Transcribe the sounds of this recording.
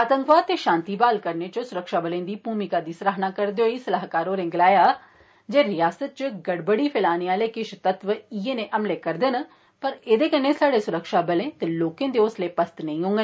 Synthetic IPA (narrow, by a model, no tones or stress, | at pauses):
aːt̪ə̃ŋkʋaːt̪eːʃãːnt̪iːbaːlkəɾneːt͡ʃʊsʊɾəkʃaːbəlẽːd̪iːbʱuːmɪkaːd̪iːsɾaːɦnaːkəɾd̪eoiːsəlaːɦkaːɾoːɾɪ̃ŋɡlaːjaː | d͡ʒeːɾɪjaːsət̪̚t͡ʃɡəɽbəɽiːpʰɪlaːnijãːleːkɪʃʰt̪ət̪ʋəieːnẽːʔəmleːkəɾd̪ɪn | pəɾeːd̪eːkənːeːsaːɖeːsʊɾəkʃaːbəlẽːt̪eːloːkẽːd̪eːʊsleːpəst̪nəĩːɦõːŋɡe